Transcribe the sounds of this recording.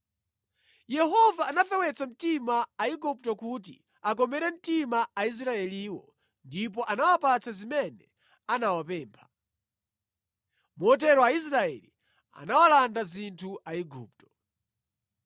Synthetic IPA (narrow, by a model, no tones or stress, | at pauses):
jɛɦɔvaːnafɛwɛt͡sam̩timaːiɡup̚tɔkut̬ḭ | ak̬ɔmɛɾɛm̩timaais̬ɾaɛliːwɔ̰ | ndip̬ɔʔanawapat͡sazimɛnɛ | anawapɛːmpʰḁ | mɔt̬ɛɾɔais̬ɾaɛ̰li | a̰nawalandazintʰuʔaiɡṵːp̚tɔ̥